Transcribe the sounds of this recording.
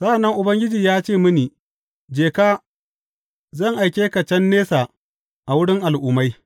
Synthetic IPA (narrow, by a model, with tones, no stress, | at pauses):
sɐ˦a˨nːɐ˦ŋʔʊ˨bɐ˦ŋɡʲɪ˦d͡ʒiː˨jaː˦t͡ʃeː˦˨mʊ˦niː˨ | d͡ʒeː˨kaː˦ | zɐ˦˨ŋʔa˨jkʲeː˦ka˨t͡ʃɐ˦nːeː˦saː˨ | ʔa˨wʊ˦ɽɪ˦ŋʔa˨lʔʊː˨˦ma˦j